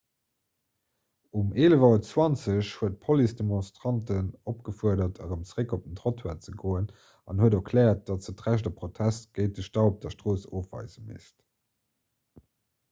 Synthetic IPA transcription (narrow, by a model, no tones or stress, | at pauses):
umeːləvɑt͡swɑnt͡səɕhuət̚pʰolisdemõnstʁɑntənopɡ̥əfuɐdɐtʰə̰ʁəmt͡sʁekop̚əntʁotʰwaːt͡səɡoːən | ɑnhuədokʰlɛːɐt̚d̥ɑtt͡sətʁæʃdɐpʁotʰæstɡ̥əɪt̚dəʃtɑop̚d̥ɐʃtʁoːsoːfvɑ̰ɪzəmḭst